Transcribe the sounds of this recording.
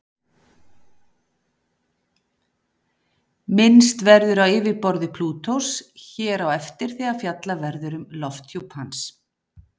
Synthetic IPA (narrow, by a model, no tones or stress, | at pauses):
mɪnst̪vɛɾðʏɾawɪːvɪpɔɾðɪpʰluːt̪ʰowsçɛːɾawɛft̪ɪɾ̥θɛɣafjat̪lavɛɾðʏɾʏmlɔft̪ʰjuphans